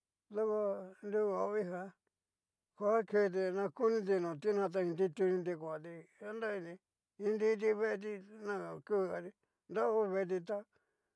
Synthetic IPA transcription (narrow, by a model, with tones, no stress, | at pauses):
ðo˦ko˧nd̪u˧a˨˦βi˦ɦa˧ | kʷa˦ke˧t̪̬i˧nã˧ku˦nĩ˦t̪̬i˧nõ˨t̪i˦nã˧t̪̬a˧ĩ˧nd̪i˦t̪u˧nĩ˧d̪i˧kʷa˨t̪i˧a˦nd̪a˦i˧nĩ˧ | ĩ˧nd̪i˦t̪̬i˧βe˦˧t̪̬i˧nã˧ku˦˧a˧t̪i˧ | nd̪a˦u˦˧βe˧t̪̬i˧t̪a˦